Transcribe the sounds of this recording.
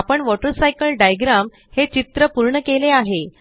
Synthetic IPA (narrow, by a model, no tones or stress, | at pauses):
apəɳʋɔʈəɾsajkəlɖajɡɾam | het͡ɕit̪ɾəpuɾɳəkeleaɦe